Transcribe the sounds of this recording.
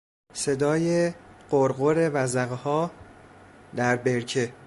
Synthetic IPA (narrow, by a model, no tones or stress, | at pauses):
se̞d̪ɒːjeɢ̥oɾɢoɾe̞væzæɣehɒː | d̪æɾbeɾcʰe̞